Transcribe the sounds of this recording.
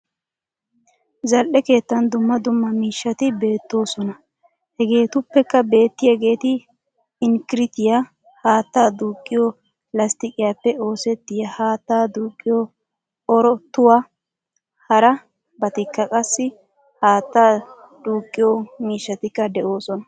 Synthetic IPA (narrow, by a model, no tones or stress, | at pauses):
zɐlʔɛke̞ːt̪ːɐnd̪ʊmːɐd̪ʊmːɐmiːʃːɐt̪ɪbe̞ːt̪ːo̞ːsɔnɐ | hɛɡe̞ːt̪ʊpːɛkːɐbe̞ːt̪ːɪjɐɡe̞ːt̪ɪ | ɪŋkɪɾɪt̪ɪja | haːt̪ːaːd̪uːkʼːɪjɔ | lɐst̪ɪkʼɪjaːpːɛo̞ːsɛt̪ːɪjɐhaːt̪ːaːd̪uːkʼːɪjɔ | ɔɾɔt̪ʊwa | hɐɾɐ | bɐt̪ɪkːɐkʼɐsːɪ | haːt̪ːaː | d̪uːkʼːɪjɔmiːʃːɐt̪ɪkːɐd̪ɛʔo̞ːsɔnɐ